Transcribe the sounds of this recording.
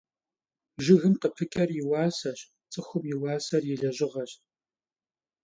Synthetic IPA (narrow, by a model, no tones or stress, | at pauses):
ʒɪɣɨmqəpʰɨkʲʼɐrjɪwɑːsɐɕ | t͡sʼɨxʷʊmjɪwɑːsɐrjɪɮɐʑɪʁɐɕt̚